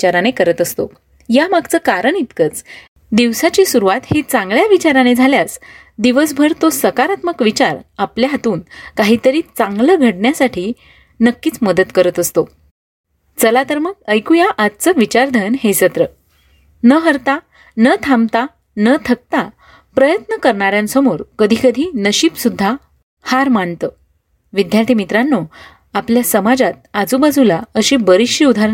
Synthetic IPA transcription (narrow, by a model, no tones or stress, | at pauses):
t͡ɕaɾanekəɾət̪əst̪o̰ | jamaɡt͡səːkaɾəɳit̪kət͡s | d̪iʋsat͡ɕisuɾuʋat̪het͡sãŋɡɭjaʋit͡ɕaɾaned͡zʱaljas | d̪iʋəs̬bʱəɾt̪osəkaɾat̪məkʋit͡ɕaɾapljaɦat̪uːnkaɦiːt̪əɾiːt͡sãŋɡləɡʱəɽɳjasaʈʰiː | nəkːiːt͡sməd̪ət̪kəɾət̪əst̪o | t͡səlat̪əɾməkəjkujaʔat̪̚t͡səʋit͡ɕaɾd̪ʱənɦesət̪ɾə | nəɦəɾt̪a | nət̪ʰamt̪a | nət̪ʰək̚t̪a | pɾəjət̪nəkəɾɳaɾjãnsəmoɾkəd̪ʱikəd̪ʱiːnəɕiːpsud̪ʱːa | haɾmaɳt̪ə | ʋid̪ʱjaɾt̪ʰiːmit̪ɾanːo | apljasəmad͡zat̪̚ad͡zubad͡zulaəɕibəɾiɕiud̪ʱa